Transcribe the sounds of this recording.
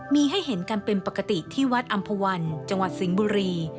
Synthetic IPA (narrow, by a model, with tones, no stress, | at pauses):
miː˧ɦa˥˩jɦe˩˦nkaː˧npe˧npa˨˩ka˧t̪i˨˩t̪ʰiː˥˩wa˦˥t̪̚ʔa˧mpʰa˧wa˧nt͡ɕa˧ŋwa˨˩t̪̚si˩˦ŋbuː˧ɾiː˧